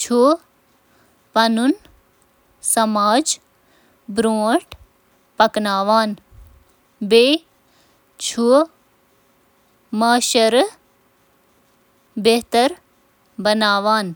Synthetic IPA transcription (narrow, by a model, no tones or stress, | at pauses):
t͡ʃʰu | pɐnun | sɐmaːd͡ʒ | bɾoːʈ | pɐknaːʋaːn | beː | t͡ʃʰu | maːʃɐɾ | beːt̪ɐɾ | bɐnaːʋaːn